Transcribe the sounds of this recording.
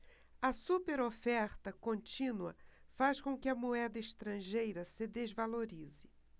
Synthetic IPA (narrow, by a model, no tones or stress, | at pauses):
ɐsupeɾofɛɾt̪ɐkõnt͡ʃĩnuɐ̰faskõkɪɐmuɛd̪ɐɪʃt̪ɾɐ̃ʒejɾɐsɪd̪ezvaloɾizɪ